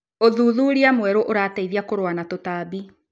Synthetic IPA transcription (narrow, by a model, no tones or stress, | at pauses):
oðuːðuɾiamwɛɾoʔoɾataiðiakoɾowanatotaːbi